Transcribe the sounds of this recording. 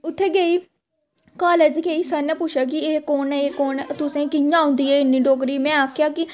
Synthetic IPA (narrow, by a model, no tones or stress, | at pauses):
ʊt̪ʰːeːɡeiː | kaːleːd͡ʒkeiːsənɛ̃ːpʊʃʰjaːk̬ɪeːkoːneːkoːnt̪ʊsẽːkɪjãːɦʊ̃nd̪iːɛːɪnːiːɖoːk̬ɾiːmɛ̃ːaːkʰjaːkɪ